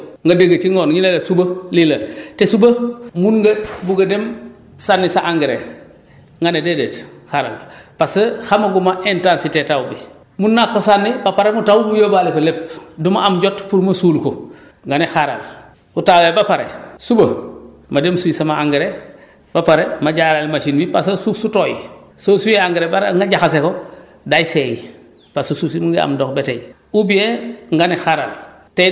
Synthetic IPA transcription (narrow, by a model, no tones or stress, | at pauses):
ŋɡadeŋɡɐt͡ʃiŋɡoːnɲilelesubɐlilɐtesubɐmunɡɐbuɡɐdem | sanːisaʔaŋɡeɾḛ | ŋɡanededetxaɾa̰lpasəxamaɡumaʔentaːnsitetawbi | munːakːosanːibapaɾemutawbujobalekolep̚dumaamɟotpuɾmɐsuːlko | ŋɡanixaɾa̰l | utawebapaɾḛsubɐ | mademsuisamaaŋɡeɾe | b̥apaɾemaɟaɾalmat͡ʃinbipasosusutoːjisosujeaŋɡeɾebaɾŋɡaɟaxas̬eko | dajiseji | pasususimuŋɡia̰mdokbetej | ubieŋɡanixaɾa̰l | te